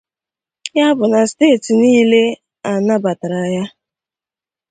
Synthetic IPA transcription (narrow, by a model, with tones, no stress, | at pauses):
ja˦bʊ˨na˨steː˦˨ti˨niː˦le˦ | a˨na˦ba˨ta˨ɾa˨ja˦